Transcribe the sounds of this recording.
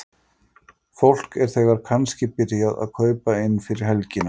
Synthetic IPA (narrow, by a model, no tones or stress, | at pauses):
fowl̥kɛɾ̥θɛɣaɾ̥kʰanscɪpɪɾjaða̰ðkʰœːɥpaɪnːfɪɾɪɾ̥ɦɛlcɪna